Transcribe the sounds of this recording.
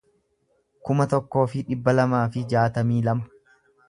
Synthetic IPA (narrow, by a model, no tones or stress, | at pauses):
kʊmɐt̪ɔkːo̞ːfɪᶑɪbːɐlɐmaːfɪd͡ʒaːt̪ɐmiːlɐmɐ̥